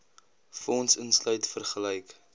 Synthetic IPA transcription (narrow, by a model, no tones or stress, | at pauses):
fɔnsənslœɥtfərχəlɛjk